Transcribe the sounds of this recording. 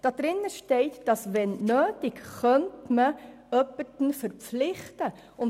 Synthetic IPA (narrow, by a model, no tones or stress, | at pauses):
d̥ɑd̥ɾɪnːəʃtɛɪtd̥ɑsvɛnnøːtɪkχœntmə | œpətn̩fəɾp͡flɪχtə | ʊn